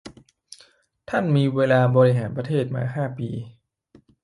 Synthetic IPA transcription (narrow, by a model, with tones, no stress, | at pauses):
t̪ʰa˥˩nmiː˧weː˧laː˧bɔː˧ɾi˦˧ɦaː˩˦npɾa˧t̪ʰeː˥˩t̪̚ma̰ː˧ɦaː˥˩piː˧